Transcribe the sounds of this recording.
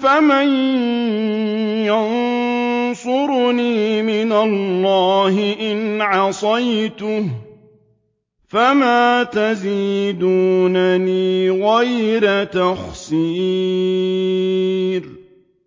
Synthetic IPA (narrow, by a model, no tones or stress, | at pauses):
faman | jan | sˤʊɾniːmɪnalːɑːɦɪʔɪnʕɑsˤɑjt̪ʊh | famaːt̪aziːd̪uːnaniːɣajɾat̪axsiː | ɾ